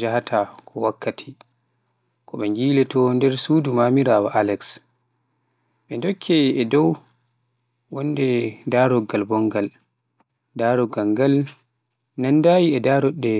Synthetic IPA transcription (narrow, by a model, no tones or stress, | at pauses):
d͡ʒahatʰakʰɔwakːatʰi | kɔɓɛŋɡiːlɛtɔndɛɾsudumaːmiɾaːwaʔalɛks | ɓɛndɔkʰːɛːdɔw | wɔndɛdaɾɔɡalbɔŋɡal | daːɾɔɡaŋɡal | nandaːjiɛdaɾɔɗːɛ